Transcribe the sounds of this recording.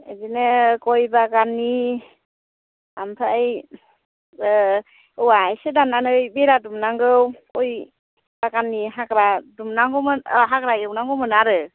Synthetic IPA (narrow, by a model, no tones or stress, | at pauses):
a̰zinɯkɔjbaɡanːi | ampʰaaj | wajsɯdananɯjbeɾadumnaŋɡɯwkɔj | baɡanːiɦakɾadumnaŋɡɔmɯɦakɾajɯwnaŋɡɔmɯnaɾɯ